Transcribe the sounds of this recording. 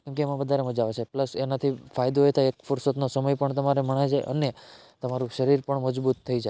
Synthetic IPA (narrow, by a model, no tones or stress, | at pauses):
kɛ̃mkeːmãʋəd̪ʱaɾeməd͡ʒaʋet͡ʃʰepləsenat̪ʰifajd̪oet̪ʰaekfuɾsot̪nosəməjpəɳt̪əmaɾeməɳ̃ad͡ʒaʔə̰ne | t̪əmaɾũʃəɾiɾpəɳməd͡ʒbut̪ʰːəid͡ʒae